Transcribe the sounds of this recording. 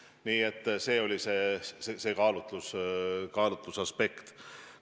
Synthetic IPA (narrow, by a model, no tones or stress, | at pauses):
niːet̪ˑːse̞ːo̞lʲise̞ːsese̞ːkɑːlut̪luskɑːlut̪lusɑspe̞kt̪